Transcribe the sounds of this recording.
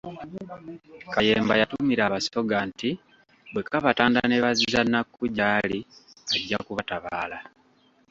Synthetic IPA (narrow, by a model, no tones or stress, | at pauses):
kaje̞ːmbajatumiɾaːβaso̞ɡanti | bwe̞kaβataːndaneβazizanːakːuɟaːli | aɟːakuβataβaːla